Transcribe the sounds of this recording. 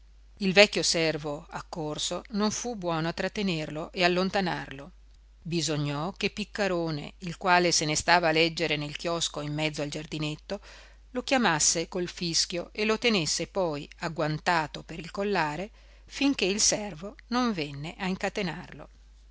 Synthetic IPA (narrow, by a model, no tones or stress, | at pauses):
ilvɛkːosɛrvoakːorsonoɱfubːwɔːnoat̪ːɾat̪ːenerloʔealːont̪anarlo | bizoɲːɔkepːikːaɾoːnḛilkwaːlesenest̪aːvaːlɛd͡ʒːeɾenelkjɔskoimːɛd̪zoald͡ʒard̪inet̪ːo | lokjamasːekolfisk̟joʔelot̪enesːepɔjaɡwant̪aːt̪opeɾilkolːaːɾe | fiŋkeilsɛrvonoɱvenːeʔaiŋkat̪enarlo̰